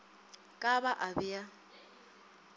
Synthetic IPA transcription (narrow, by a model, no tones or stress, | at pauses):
kʼabaʔabija